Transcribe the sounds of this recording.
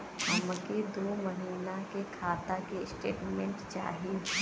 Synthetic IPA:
hɐmked̪oːməɦiːnakekʰaːt̪akesʈḛːʈmẽɳʈt͡ʃa̰ːɦie

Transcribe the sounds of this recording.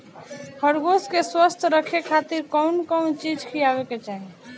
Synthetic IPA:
hʰəɾɡoskeswəst̪ʰɾəkʰekʰat̪iɾkəʊnkəʊnt͡ʃid͡ʒkʰijabeket͡ʃaɦie

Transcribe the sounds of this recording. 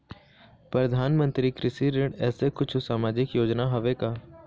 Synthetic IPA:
pɾəd̪ʱaːnmə̃nt̪ɾikɾɪʃiɾeɖɛːsekʊt͡ʃʰʊsaːmaːd͡ʒɪkjoːd͡ʒnaɦɐʋekaː

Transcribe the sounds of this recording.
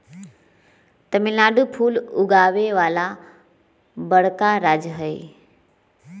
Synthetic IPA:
t̪əmilaːɖupʰuːlʊɡaʋeʋaːla | bəɽ̤kaɾaːd͡ʒɦəe

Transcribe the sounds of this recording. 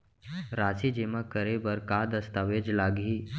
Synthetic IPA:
ɾaːsid͡ʒeməkːəɾebəɾkad̪əst̪aːʋed͡ʒlaːɡɦiː

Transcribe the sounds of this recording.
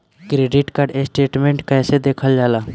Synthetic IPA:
kɾeːɖɪʈkaɾɖesʈeːʈmẽːɳʈkɛːsed̪eːkʰəld͡ʒaːlaː

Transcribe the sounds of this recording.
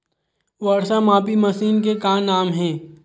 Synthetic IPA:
ʋɐɽsamaːpimɐsiːnk̬ekaːnaːmɦɛ̃ː

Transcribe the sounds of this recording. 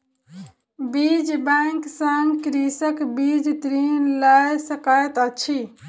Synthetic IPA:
bid͡ʒbãŋksəŋkɾisəkbid͡ʒt̪ɾinləjsəkəjt̪ət͡ʃʰi

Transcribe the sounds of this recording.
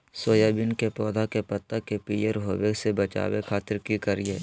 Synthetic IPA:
soːjaːbɪnkepɔːd̪ʱakepɐt̪ːəkepiːjeɾɦoːʋesebɐt͡ʃa̰ːwekʰaːt̪ɪɾkikəɾie

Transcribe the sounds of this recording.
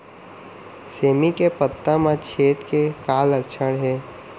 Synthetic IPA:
seːmikepət̪ːamãt͡ʃʰeːt̪kekaːləkʃʰəɽɦɛː

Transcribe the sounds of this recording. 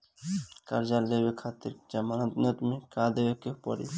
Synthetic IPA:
kaɾd͡ʒalebekʰat̪ːiɾd͡ʒamanat̪nat̪umikad̪ebekepɔ̰ɽḭ

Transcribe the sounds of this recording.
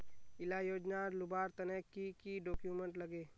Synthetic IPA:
ɪlajoːd͡ʒnalʊbaːɾt̪ɐnɛkːikiɖoːkjumẽɳʈlɐɡeː

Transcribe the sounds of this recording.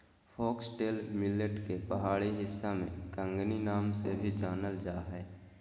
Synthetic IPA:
fʰɔːksʈeːlmɪləʈkepəɦaːɭiɦɪsːamḛ̃kə̃ŋɡninaːmsebʱid͡ʒaːnəld͡ʒaːɦɛː

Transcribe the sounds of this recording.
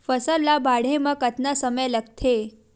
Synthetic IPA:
fəsəlːabaɽ̤eməkət̪nasəməjlək̚t̪ʰe

